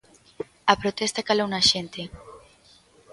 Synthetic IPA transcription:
apɾot̪ɛst̪akalownaʃent̪e

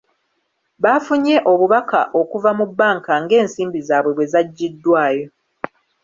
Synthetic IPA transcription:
βafuɲe̞ʔo̞βuβaka̰ʔo̞kuvamubːaːŋkaŋɡe̞ːnsiːmbizaːβwe̞βwe̞zaɟːidːwaːjo̞

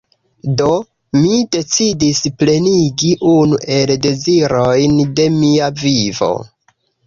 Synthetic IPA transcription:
do̞ | mide̞t͡sidisple̞niɡiʔunuʔe̞lde̞ziɾo̞jnde̞miavivo̞̰

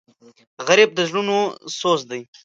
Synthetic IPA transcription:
ɣaɾib̚d̪əzɽunosozd̪aj

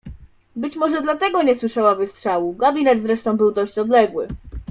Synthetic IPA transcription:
bɘt͡ɕmɔʐɛd̪lat̪ɛɡɔɲɛswɘʂawavɘstʂawuɡabʲinɛt̪zɾɛʂt̪ɔ̃w̃bɘwd̪ɔɕt͡ɕɔd̪lɛɡwɘ̰

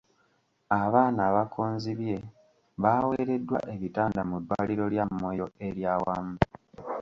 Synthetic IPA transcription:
aβaːnaːβakʰoːnziβje̞ | βawe̞ɾe̞dːwa̰ʔe̞βitaːndamudwaːliɾo̞ljamːo̞jo̞e̞ɾjaːwamubu

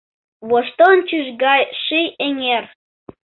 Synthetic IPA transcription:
βoʃt̪ont͡ɕyʒɡɑjʃijeŋer

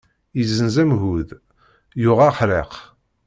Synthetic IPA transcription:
izːənzæmɦuð | jʊʁæħɾeq

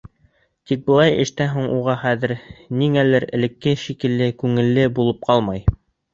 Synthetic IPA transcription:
t̪ik̚bɤ̆lˠɑjɘ̆ʃt̪æɦuɴuʁɑχæðɘ̆ɾniŋælɘɾɘ̆lɘ̆kːɘʃikɘ̆lːɘkʉŋɘ̆lːɘbulˠɤp̚qʰɑlˠmɑj

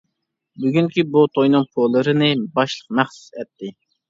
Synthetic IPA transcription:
byɡʲyŋkʲibut̪ʰojnɨŋpʰolˠːɨɾɨnɨbɑʃlˠə̥q̚mæχsu̥sɛt̪ʰːɪ

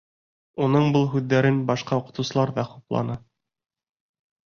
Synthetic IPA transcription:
unɤɴbɤlˠɦʉðːæɾɘnbɑʃqɑuqɤ̥̆t̪ɤ̆wsɤ̆lˠɑɾðɑχuplˠɑ̰nɤ

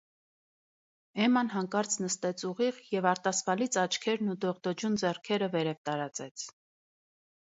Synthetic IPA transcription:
ɛmɑnɦɑŋkɑɾt͡sʰnəst̪ɛt͡sʰuʁiʁjɛvɑɾt̪ɑsvɑlit͡sʰɑt͡ʃʰkʰɛɾnud̪ɔʁd̪ɔd͡ʒund͡zɛrkʰɛɾəvɛɾɛvt̪ɑɾɑt͡sɛt͡sʰ

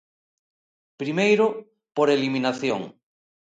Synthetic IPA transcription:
pɾimejɾʊ | poɾeliminaθjo̰ŋ

